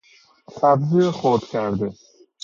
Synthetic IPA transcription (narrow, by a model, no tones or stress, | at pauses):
sabziχot̪kʲʰæɾd̪ɪ